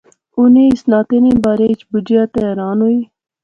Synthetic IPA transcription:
ʊnẽːɪsnaːt̪eːnẽːbaːɾeːɪt͡ʃbʊd͡ʒjaːt̪eɛːɾaːnɦoːiː

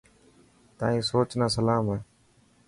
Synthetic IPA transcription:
t̪ã̰ːĩːsoːt͡ʃnãːsəlaːmaː

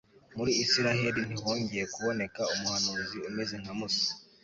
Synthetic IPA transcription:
muɾiːsiɾaheɾin̥ihoːɲɟejekuβo̞ne̞kaumuhanuːziumezeŋ̥amusi̥

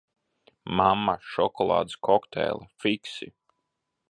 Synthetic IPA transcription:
mamːaʃɔkɔlˠɑ̰ːd̪skɔkt̪ɛ̰ːlˠafiksḭ

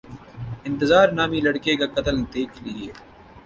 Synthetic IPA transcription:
ɪ̃nt̪ɪzaːɾnaːmilɐɽkekakɐt̪əld̪eːkʰlɪeː

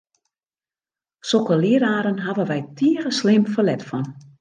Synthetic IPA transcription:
sokəliəɾaːɾənɦaʋəʋɛjtʰiərəslɪmfəlɛtfɔn

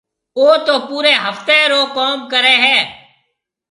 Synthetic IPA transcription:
oːt̪oːpuːɾeːɦəft̪eːɾoːkɔːmkəɾeːɦɛː

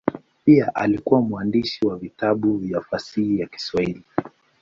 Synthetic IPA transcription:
piaʔalikuwamuandiʃiwavitaɓuvjafasihijaki̥swahili

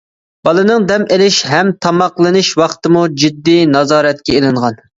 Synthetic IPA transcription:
b̥ɑlˠɨnɨŋd̪ɛmelɪʃɦɛmt̪ʰɑmɑqlˠɨnɨʃwɑχt̪ɨmud͡ʒid̪ːinɑzɑːɾɛt̪̚kʲɛelˠɨɴʁɑn

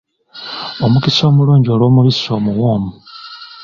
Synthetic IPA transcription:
o̞mukiso̞ːmuluːɲɟio̞lwo̞ːmuβiso̞ːmuɣoːmu

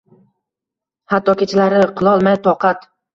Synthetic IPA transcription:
hat̪ːɒkʲʰet͡ʃʰɪlaɾɪqʰɨlˠɒlˠmajt̪ʰɒqʰɑt̪

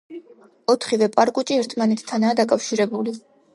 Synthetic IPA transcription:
ɔt̪ʰχivɛpʼaɾkʼut͡ʃʼiɛɾt̪ʰmanɛt̪ʰt̪ʰːanaːd̪akʼafʃiɾɛbuli

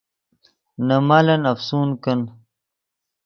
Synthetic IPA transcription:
nɐmalɐnɐfsuːnkɐn

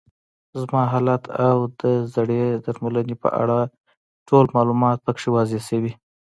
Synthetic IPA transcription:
zmɑɦɑlat̪ʰawd̪əzaɽed̪aɾmulanepə̰ʔa̰ɽa | ʈolmɑlumɑt̪̚pəkʂewɑzesəwi

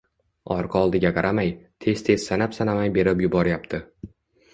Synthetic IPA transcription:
ɒɾqʰɒlˠd̪ɪɡʲaqʰɑɾʔamajt̪ʰe̞z̥t̪ʰe̞z̥sanapsanamajbe̞ɾɪpjʊbɒɾɪjap̚t̪ʰɪ

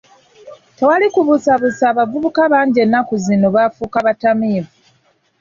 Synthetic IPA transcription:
te̞walikuβusaβusaːβavuβukaβaːɲɟe̞nːakuzino̞βafuːkaβatamiːvu

